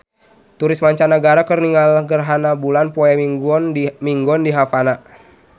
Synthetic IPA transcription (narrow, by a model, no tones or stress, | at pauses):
t̪uɾɪsmaɲt͡ʃanaɡaɾakərniŋalɡərɦanabulanpɔɛɔnmiŋɡɔndiɦafana